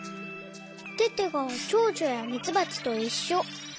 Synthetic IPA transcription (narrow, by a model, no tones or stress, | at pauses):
t̪e̞t̪e̞ɡõt͡ɕoːʑojamʲit͡sɨbat͡sɨ̥t̪o̞iɕːo